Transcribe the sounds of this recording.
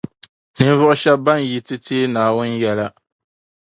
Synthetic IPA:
tɨ˨n˦vʊ˦ʔʊ˦ʃɛ˦b̚bːa˦n˨ji˦tɨ˦tʰeː˦naː˨wʊ˦n˦jɛ˦la˦

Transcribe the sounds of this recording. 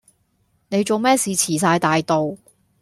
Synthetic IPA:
ne˨˧jt͡so˨wmɛː˥siː˨˧t͡sʰiː˨˩s̬aː˧jt̪aː˨jt̪o˨w

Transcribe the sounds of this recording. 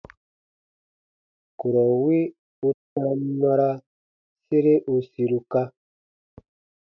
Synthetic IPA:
ku˨ɾɔ˨wi˦ | u˦tã˦na˦ɾa˦ | se˦ɾe˦ʔu˧si˧ɾu˨ka˦

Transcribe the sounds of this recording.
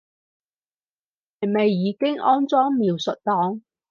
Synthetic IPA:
hɐ˨˩jme˨jːiː˨˧kɪ˥ŋʔɔː˥nt͡sɔː˥ŋmiː˨˧wsɵ˨t̚t̪ɔː˨˥ŋ

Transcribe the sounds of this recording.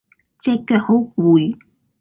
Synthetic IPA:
t͡sɛː˧kːœː˧˩k̚ho˨˥wkuː˨j

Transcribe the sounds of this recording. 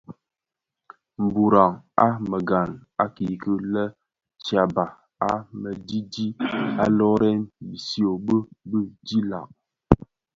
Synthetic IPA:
m̩˨bu˨ɾa˨ŋa˦mə˨ɡa˨na˦ki˨kə˦lə˦ | t͡ʃja˨ba˨ | a˦mə˨di˦di˦a˦lɔ˦ɾɛ˦nbi˨si˦o˨bə˦bə˦di˦la̰˨k̚

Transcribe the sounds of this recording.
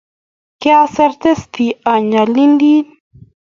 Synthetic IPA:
keaseɾt̪e˦st̪ia˨ɲa˨li˦nd̪i˦n

